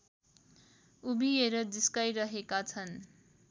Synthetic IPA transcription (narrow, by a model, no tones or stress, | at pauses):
ubʱieɾʌdiskajɾʌɦekat͡sʰʌn